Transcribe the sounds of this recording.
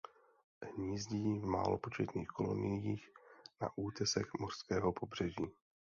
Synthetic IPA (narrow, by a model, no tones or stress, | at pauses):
ɦɲiːzɟiːvma̰ːlopo̞t͡ʃɛt̪niːxko̞lo̞̰nɪjiːxna̰ʔuːt̪ɛsɛxmo̞rskɛːɦopʰo̞br̝̥ɛʒiː